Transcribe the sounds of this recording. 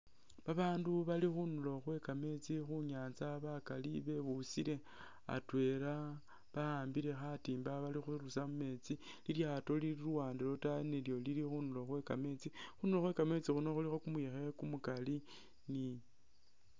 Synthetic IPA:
βaβaːnduβalixunulo̞xwe̞kame̞t͡sixuɲaːnt͡saβakaliβe̞βusiɾe̞ | a̰twe̞ɾa | βahaːmbiɾe̞xatiːmbaβalixuɾusamume̞t͡si | liljato̞liliɾuwaːndilo̞taneljo̞lilixunulo̞xwe̞kame̞t͡sixunulo̞xwe̞kame̞t͡sixuno̞xulixo̞kumujexekumukali | ni

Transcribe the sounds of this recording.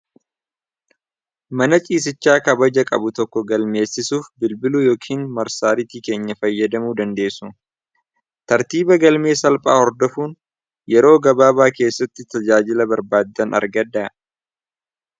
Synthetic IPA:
mɐnɐt͡ʃʼiːs̬ɪt͡ʃːaːkɐbɐd͡ʒɐkʼɐ̰bʊt̪ɔkːɔɡɐlme̞ːsːɪsuːfbɪlbɪlujo̞ːkʰiːnmɐɾsaːɾɪt̪ike̞ːɲːɐfɐjːɐd̪ɐmuːd̪ɐnd̪e̞ːsːʊ | t̪ɐɾt̪iːbɐɡɐlme̞ːsɐlpʼa̰ːhɔɾd̪ɔfuːn | jɛɾo̞ːɡɐbaːbaːke̞ːsːɐt̪ːɪt̪ɐd͡ʒaːd͡ʒɪlɐbɐɾbaːd̪ːɐnɐ̰ɾɡɐd̪aː

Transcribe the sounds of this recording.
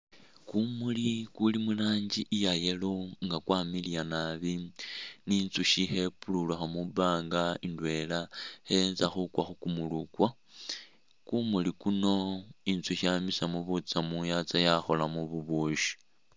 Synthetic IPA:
kumulikulimulaːɲɟiʔijajeloŋɡakwaːmilijanaβiniːnt͡suʃihe̞pululaxamubaːŋɡaindwe̞lahenzaxukwaxukumulukwa | kumulikuno̞int͡suʃamisamuβut͡samujat͡sajaxo̞lamuβuβuʃi̥

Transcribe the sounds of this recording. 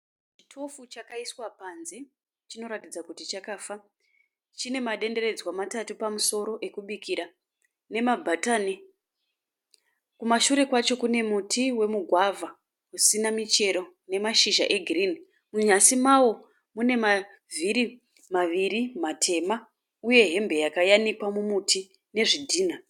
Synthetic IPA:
t͡ʃi̥tʰo̞fut͡ʃakaiswapanze̞ | t͡ʃino̞ɾatid͡zakutit͡ʃakaːfa | t͡ʃine̞maɗe̞nde̞re̞d͡zwamatatupamuso̞ɾo̞ʔe̞kuɓikʰiɾa | ne̞mabʱataːne | kumaʃuɾe̞kwat͡ʃo̞kune̞mutʰiwe̞muɡʱwavʱa | usinamit͡ʃe̞ɾo̞ | ne̞maʃiʒa̰ʔeɡʱirini | muɲasimawo̞ | mune̞ma | viɾi | maʋiɾimatʰe̞ma | uje̞ɦe̞mbʱe̞jakajanikwamumutʰi | ne̞ʐidʱiːna

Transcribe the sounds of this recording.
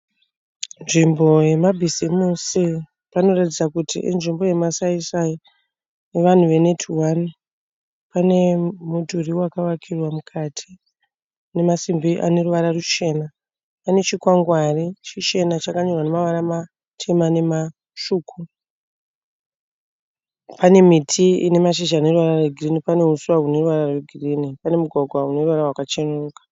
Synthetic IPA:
nʐimbo̞je̞mabʱizimusi | pano̞ratid͡zakutʰḭʔḭnʐimbo̞je̞masaisai | neʋan̤uʋe̞ne̞tʰuwani | pane̞mudʱuriwakawakʰirwamukʰatʰi̥ | ne̞masimbiʔa̰ne̞ruʋaɾarut͡ʃe̞ːna | pane̞t͡ʃikwaŋɡwarit͡ʃit͡ʃe̞nat͡ʃakaɲorwanemaʋaɾama | tʰe̞mane̞ma | ʃuːkʰu | pane̞mitʰiḭne̞maʃ̬iʒaːne̞ruʋaɾarweɡʱirinipane̞usuaɦune̞ruʋaɾareɡʱiriːnipane̞muɡʱwaɡʱwaune̞ruʋaɾawakat͡ʃenuːkḁ

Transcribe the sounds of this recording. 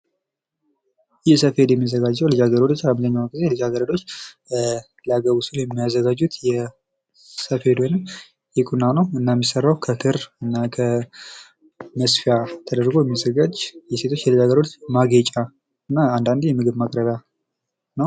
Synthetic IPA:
jɛsəfhe̞d̪jɛmːiazːəɡad͡ʒːəwlɨd͡ʒaɡəɾod̪ot͡ʃːamzəɲːawɡɨzelɨd͡ʒaɡəɾod̪o̞t͡ʃː | ləaɡəβusuljɛmːijazːəɡad͡ʒːut̪jɛ | səfhe̞d̪ojnɨm | jɛkʼunːanəwɨnːajmːisərːawkʰəkʰɨɾɨnːakʰə | məsfijat̪ʰəd̪əɾɡo̞jɛmijazəɡad͡ʒjɛse̞t̪ʰo̞t͡ʃːjɛlɨd͡ʒaɡəɾo̞t͡ʃːmaɡet͡ʃʼa | ɨnːaand̪and̪jɛmɨɡɨβmakʼɾəβja | nəw

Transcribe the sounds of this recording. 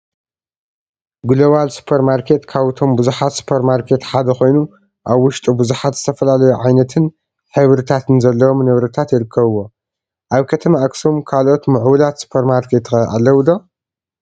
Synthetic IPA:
ɡuloβalsu̥pʰeɾmaɾkʰe̞t̪kʰaβɨt̪ʰo̞mbuzuħat̪su̥pʰeɾmaɾkʰe̞t̪ħad̪ɐxo̞jnu | ʔaβwʊʃt̪ʼubuzuħat̪z̥ɨt̪ʰɐfɐlalɐjuʕajnɐt̪ʰɨn | ħɨβɾɨt̪ʰat̪ɨnzɐlːɐwo̞mnɐβɾɐt̪ʰat̪jɪɾɨkʰːɐβɨwːo̞ | ʔaβkʰɐt̪ʰɐmiʔakso̞mkʰalʔo̞t̪mɨʕwulat̪su̥pʰeɾmaɾkʰe̞t̪xɐʔa̰lːɐwd̪o

